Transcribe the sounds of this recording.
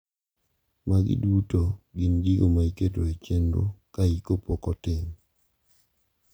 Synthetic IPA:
maɡɪ̰dutoɡɪnd͡ʒiɡomaiketoet͡ʃendo̰kaikopokɔtɪm

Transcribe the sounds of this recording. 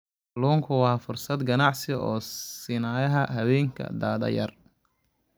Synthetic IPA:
luːŋkʰʊwɑːfʊrsɐd̪ɡɐnɑʕsɪɔːsɪnaːjɐɦɐɦɐwɛːŋkʰɐ̰d̪a̰ːðɐ̰jɐr

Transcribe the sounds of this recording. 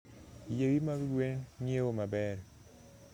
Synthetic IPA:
jewimabiɡwenɲewomabɛɾ

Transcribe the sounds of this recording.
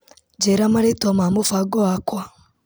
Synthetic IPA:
d͡ʒeɾamaɾetomamofaɡoakwa

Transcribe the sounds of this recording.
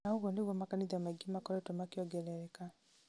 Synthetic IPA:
naoɣwɔneɣwɔmakaniðiamaiɡimakɔɾɛtɔmakeɔɡɛlɛɾɛka

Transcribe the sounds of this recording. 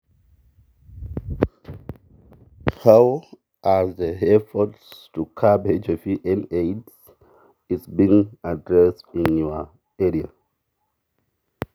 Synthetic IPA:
haw | ʔaðəɛfɔtstukʰabed͡ʒɔfiʔɛ̃neds | izbĩŋadɹɛstĩnjua | ɛɹia

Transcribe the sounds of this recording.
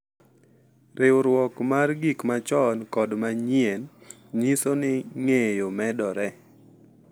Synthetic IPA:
ɾɪwɾwɔkmarɡikmat͡ʃɔnkɔdmaɲiɛn | ɲisonɪŋejomɛdɔɾɛ

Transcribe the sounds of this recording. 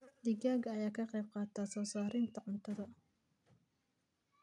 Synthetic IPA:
d̪ɪɡaːɣɐːjaːkʰɐqɛjb̚qɑːt̪ʰaːsɔːsaːɾɪnt̪ʰɐʕʊnt̪ʰɐðɐ

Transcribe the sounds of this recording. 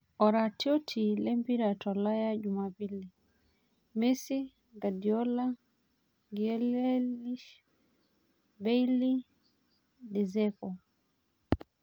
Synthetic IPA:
ɔɾatiɔtʰilɛmpiɾatɔlajaɟumapili | mɛsi | ɡadiɔla | ɡiɛlɛliʃ | bɛili | dɛzɛkɔ

